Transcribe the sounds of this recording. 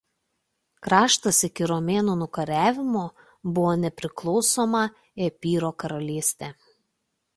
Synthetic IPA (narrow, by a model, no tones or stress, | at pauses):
kɾɑːʃt̪ɐsɪkʲɪɾomʲeːnuːnʊkɐɾʲæːʋʲɪmoː | bʊʋoːnʲɛpʲɾʲɪklˠɔʊsoːmɐ | epʲiːɾoːkɐɾɐlʲiːsʲt̪ʲɛː